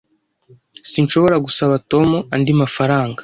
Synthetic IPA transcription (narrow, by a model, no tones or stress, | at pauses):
sinʃo̞βo̞ɾaɡusaβato̞muandimafaɾaːŋɡḁ